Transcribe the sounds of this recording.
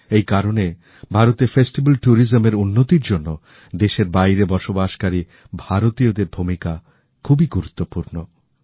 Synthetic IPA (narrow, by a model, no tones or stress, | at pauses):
ejkaɾone | bʱaɾot̪efesʈibalʈuɾizomeɾunːot̪iɾd͡ʑonːo | d̪eʃeɾbajɾebɔʃobaʃkaɾi | bʱaɾot̪iod̪eɾbʱumika | kʰubiɡuɾut̪ːopuɾno